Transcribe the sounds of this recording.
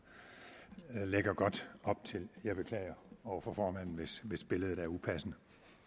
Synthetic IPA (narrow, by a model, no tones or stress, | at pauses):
leɡ̥ɐɡ̥ɒ̽d̥ɒ̽b̥̚t͡sʰe̝ljɑ̈ɪb̥e̝kʰlɛ̰ːɪɐɒʊɐfɒ̽fɒːmæn̰n̩ʋe̝sʋe̝sb̥e̝ləð̩ˠd̥ææɐupʰæsnə